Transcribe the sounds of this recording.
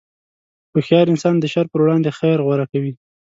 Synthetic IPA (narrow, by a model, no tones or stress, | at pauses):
pəxjɑɾɪnsɑnd̪əʃaɾpəɾwɽɑnd̪exajɾɣwaɾakawi